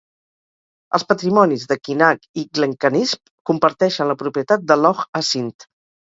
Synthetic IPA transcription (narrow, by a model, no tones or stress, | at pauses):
ə̰lˠspət̪ɾimɔnizðəkinakiɡləŋkənisp | kumpəɾt̪ɛʃənləpɾupiət̪at̪̚d̪əlɔxəsint̪